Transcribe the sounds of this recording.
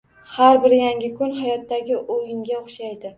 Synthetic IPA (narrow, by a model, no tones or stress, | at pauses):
haɾbɪɾjaŋɡʲɪkʰʊnɦajɒt̪ːaɡʲɪʔojɪŋɡʲaoχʃajd̪ɪ